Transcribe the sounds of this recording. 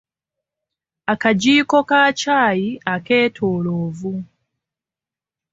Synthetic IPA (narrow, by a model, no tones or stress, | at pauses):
akaɟiːko̞kaːcaːjiake̞ːtʰoːloːvu